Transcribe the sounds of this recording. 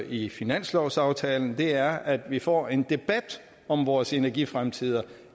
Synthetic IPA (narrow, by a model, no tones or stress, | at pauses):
ifinæn̰slɒʊsɑ̈ʊt͡sʰɛ̰ːln̩d̥e̝æɐæd̥ʋifɒ̰ːe̝nd̥e̝b̥æd̥ | ɒ̽mʋɒːse̝næɐɡ̥ifʁamt͡sʰið̰ˠɐ